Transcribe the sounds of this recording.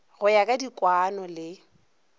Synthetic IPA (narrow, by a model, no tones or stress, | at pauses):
ɣʊjakʼadikʼwanɔlɪ